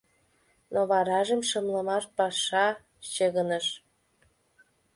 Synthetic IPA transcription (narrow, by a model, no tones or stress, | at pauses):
noβɑɾɑʒə̆mʃə̆mlə̆mɑʃpɑʃɑ | t͡ɕeɣənəʃ